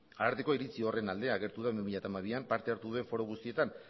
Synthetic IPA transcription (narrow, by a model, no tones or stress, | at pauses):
aaɾt̪eko̞iɾit͡siore̞nald̪e̞aɣe̞ɾt̪uðamimiʎat̪amaβ̞iampaɾt̪e̞aɾt̪uðue̞ɱfo̞ɾoɣ̞ust̪ie̞t̪an